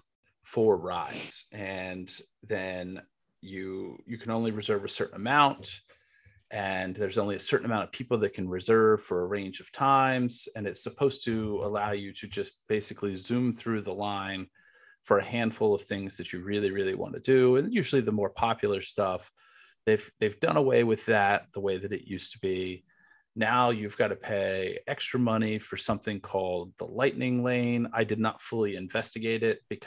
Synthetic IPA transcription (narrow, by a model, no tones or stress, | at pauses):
fə˞ɹaɪdz̥ʔɨ̃n | ðɨ̃n | jɨjɨkʰɨ̃nõʊ̃nliɹɨzɜ˞vɨsɜ˞ʔn̩əmãʊ̃nt | ʔɨ̃nðə˞zõʊ̃nliɨsɜ˞ʔn̩əmãʊñtʌv̥pʰipl̩ˠðɨt̚kʰn̩ɹɨzɜ˞v̥fə˞əɹẽɪ̃nd͡ʒʌv̥tʰãɪ̃mz̥ɨ̃nɨtsɨpʰoʊz̥tʰɨəlaʊjɨɾɨd͡ʒʌst̚b̥eɪsɨklizʉ̃mθɹʉðəlãɪ̃n | fə˞ɨhæ̃nd̥fʊlˠʌv̥θɪ̃ŋzðɨt͡ʃɨɹɪlˠiɹɪlˠiwɑ̰̃nɨdɨɨ̃njʉʒl̩ˠiðəmɔɹpʰɑpʰjl̩ˠə˞stʌf | ðeɪvðeɪvdʌ̰̃ñəweɪwɨðɨt̪̚ðəweɪðɨɾɨ̰ʔjʉstʰəbi | naʊjɨvɡɑɾɨpʰeɪɛkstɹ̥ɨmʌñifə˞sʌ̃mθɪ̃ŋkʰɔlˠd̪̚ðə̰laɪʔⁿnɪ̃ŋlẽɪ̃na̰ɪdɨdⁿnətfʊlˠiɨ̃ɱvɛstɨɡeɪɾɪt̚b̥ɨkʰ